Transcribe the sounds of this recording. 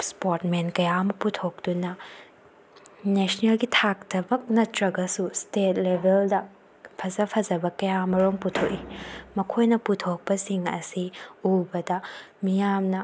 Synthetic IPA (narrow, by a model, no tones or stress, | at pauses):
spoɾtmenkɐjaɐmɐputʰok̚d̥unɐ | nesnelɡitʰak̚tɐbɐk̚nɐtɾɐɡɐsustet̚lebʱeldɐ | pʰɐzɐpʰɐzɐbɐkɐjamɐɾoŋputʰoʔ̚imɐkʰojnɐputʰok̚pɐsiŋɐ̰siubɐdɐ | mijamnɐ